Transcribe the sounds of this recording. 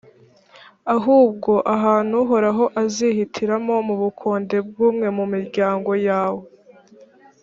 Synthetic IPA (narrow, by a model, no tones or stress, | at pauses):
aɦuːb̚ɡo̞ʔaɦaːn̥huɦo̞ɾaɦo̞ʔazihitʰiɾamo̞muβukʰoːnde̞b̚ɡuːmŋe̞mumiɾɟaːŋɡo̞jaːwe